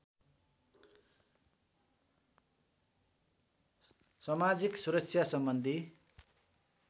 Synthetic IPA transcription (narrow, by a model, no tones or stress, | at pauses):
sʌmad͡ziksuɾʌksʰjasʌmbʌnd̪ʱi